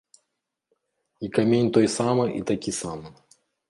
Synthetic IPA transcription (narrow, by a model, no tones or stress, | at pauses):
ikamʲenʲt̪ɔjsamɨʔit̪akʲisamɨ